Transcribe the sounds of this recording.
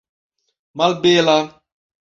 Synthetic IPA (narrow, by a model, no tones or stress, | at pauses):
malbela